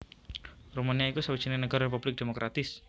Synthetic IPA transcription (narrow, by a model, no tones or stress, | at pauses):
rumaniaikusawid̥d͡ʒ̥i̤nenəɡ̥aɾarep̬ub̥lɪk̚d̥emokɾʔat̪ɪs